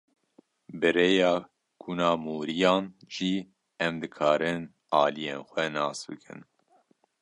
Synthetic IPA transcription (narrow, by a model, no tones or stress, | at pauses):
bɨɾeːjɑː | ɡ̥ʰunɑːmuːɾijɑːnʒiː | ɛmd̪ɨkʰɑːɾɨn | ɑːlijeːnxʷɛnɑːsbɨ̰kʰɨ̰n